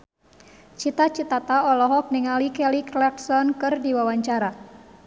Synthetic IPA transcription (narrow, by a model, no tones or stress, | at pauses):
t͡ʃit̪at͡ʃit̪at̪aɔlɔɦɔk̚niŋalikɛliklɛksɔnkɨrdiwawaɲt͡ʃaɾa